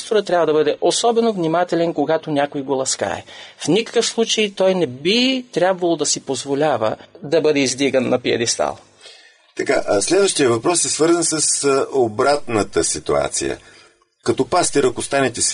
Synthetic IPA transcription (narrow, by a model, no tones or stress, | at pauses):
st̪oɾət̪ːɾʲabvəd̪ɐbɤd̪ɛʔosɔbɛnovnimat̪ɛlɛnkoɡat̪onʲakojɡolˠɐska̰ɛ̰fnʲikə̥kəfslˠut͡ʃəjt̪ɔjnɛbit̪ɾʲabvɐlˠod̪ɐsipozvolʲavə̰d̪ɐbɤd̪ɛizd̪iɡənːɐpiɐ̰d̪ist̪a̰lˠ | t̪ɐkaslɛd̪vəʃt̪ijəvɐpɾɔsɛsvɤɾzənsəsobɾat̪nət̪əsit̪ua̰t̪sḭjə̰ | kɐt̪ɔpast̪iɾɐkost̪anɛt̪ɛs